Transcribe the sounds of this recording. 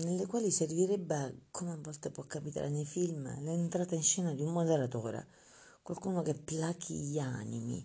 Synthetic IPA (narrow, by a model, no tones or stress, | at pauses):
nelːekwaːliserviɾɛbːakʰomavːɔlt̪apwɔkːapit̪a̰ɾenejfilmlɛːnt̪ɾaːt̪ainʃɛːnad̪iumːod̪eɾat̪ɔːɾa̰ | kwalkuːnokepːlakʰḭʎa̰ːnḭmḭ